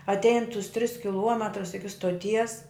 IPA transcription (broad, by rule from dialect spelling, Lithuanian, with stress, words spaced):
ɐtʲˈɛɪn tʊs tʲrʲɪs kʲɪˈlˠuɔmʲɛtrʊs ˈɪkʲɪ stoːˈtʲiɛs